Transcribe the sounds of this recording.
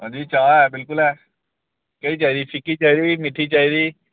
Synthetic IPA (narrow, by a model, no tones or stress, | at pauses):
ɔ̰̃d͡ʒiːt͡ʃaːɛbɪlkʊlɦɛː | kəit͡ʃaːiɾiːpʰɪkit͡ʃaɦiɾiːmɪʈʰːit͡ʃaːiɾiː